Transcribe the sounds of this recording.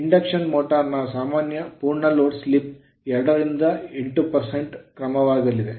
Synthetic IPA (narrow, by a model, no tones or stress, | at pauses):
iɳɖɐkʂɐnmoːʈɐɾnɐsaːmaːnjɐpuːɾɳɐloːɖslip̚ | ɛɾɐɽɐɾind̪ɐeɳʈːupɐɾseɳʈkɾɐmɐʋaːɡɐlid̪e